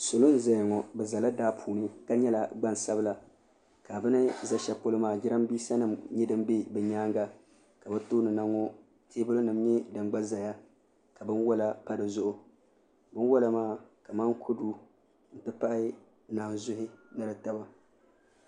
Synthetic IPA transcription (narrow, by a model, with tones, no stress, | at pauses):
so˨lo˦n̩˦za˨jŋɔ˨bɛ˨za˨la˦daː˦pʰuː˨nɨ˦ka˦ɲɛ˦la˨ɡ͡ba˦nsa˦bɨ˦la˨ | ka˨bɨ˦nɨ˦za˦ʃɛ˦po˦lɨ˦maː˦˨d͡ʒɪ˦ɾa˦mbiː˦sa˦nɨ˦mɲɛ˦dɨ˦m˦be˦bɛ˨ɲaː˦ŋɡa˦ | ka˨bɛ˦toː˦nɨ˨na˦ŋɔ˦ | tʰeː˦bɨ˦lɨ˦nɨ˨mɲɛ˦dɨ˨ŋɡ͡ba˦za˨ja˦ | ka˨bɨ˦nwɔ˦la˦pa˦dɨ˨zʊ˦ʔʊ˨ | bɨ˦n˦wa˦la˨maː˦˨ka˨maː˦ŋkʰʊ˦du˦ | n̩˨tɨ˦pa˦ʔɪ˦˨ | naː˨n˨zʊ˦hɪ˦nɨ˦lɨ˨ta˦ba˦